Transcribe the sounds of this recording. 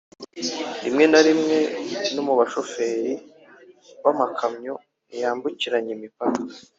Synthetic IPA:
ḭmŋe̞naɾimŋe̞nomuβaʃo̞fe̞ːɾi | wamakʰamɲo̞ | nijaːmbuciɾaɲimipakḁ

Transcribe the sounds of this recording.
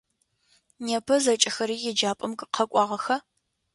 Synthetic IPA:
neːpʰɐzɐt͡ʃʼɪxɐɾiːjɛd͡ʒaːpʼɐmkʼɨqʰɐkʷʼɑːʁɐxɐ

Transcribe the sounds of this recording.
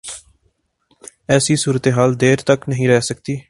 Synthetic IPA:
ɛːsiːsuːɾət̪eːɦaːld̪eːɾt̪əknəɦĩːɾɛːsək̚t̪iː

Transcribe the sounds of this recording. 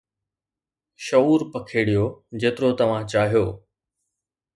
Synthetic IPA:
ʃɐuːɾpɐkʰeːɽijod͡ʑeːt̪ɪɾot̪ɐʋ̤ãt͡ɕaːɦijoː

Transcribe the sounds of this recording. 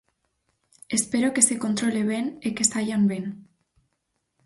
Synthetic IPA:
espeɾokesekont̪ɾoleβ̞enekesaʎamben

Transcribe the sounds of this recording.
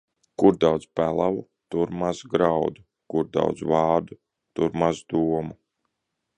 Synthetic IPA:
kuɾd̪awd̪zpælˠavu | t̪uɾmazɡɾawd̪u | kuɾd̪a̰wd̪zvaɑːɾd̪u | t̪uɾmazd̪uɔmu

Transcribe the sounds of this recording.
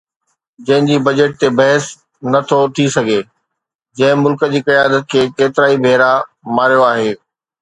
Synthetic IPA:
d͡ʑɐ̃ɦɪ̃ɲd͡ʑiːbɐd͡ʑeʈ̚t̪ebɐɦəs | nɐt̪ʰot̪ʰisɐɡʱe | d͡ʑɐ̃ɦɪ̃mʊlkə̆d͡ʑiːkɐjaːd̪ət̪̚kʰeːkkeːt̪ɪɾaːibʱeːɾa | maːɾijoaːɦeː

